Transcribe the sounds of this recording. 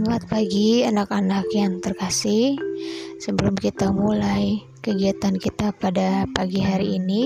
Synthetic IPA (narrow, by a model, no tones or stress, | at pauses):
muat̪̚paɡianakanakjaŋt̪ərkasɪhsəbəlʊmkit̪amulaj | kəɡiat̪ankit̪apadapaɡiɦaɾiːni